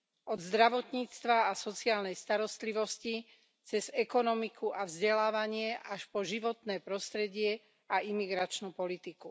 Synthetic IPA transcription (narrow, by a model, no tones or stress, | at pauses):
ʔɔd̪zd̪ɾaʋɔt̪ɲiːt͡st̪ʋaːsɔt͡siaːlnɛjst̪aɾɔst̪liʋɔsci | t͡sɛzɛkɔnɔmikʰuʔavzɟɛlaːʋaɲɪɛʔaʃpɔʒiʋɔt̪nɛːpɾɔst̪ɾɛɟɪɛ | aimiɡɾat͡ʃnupɔlit̪iku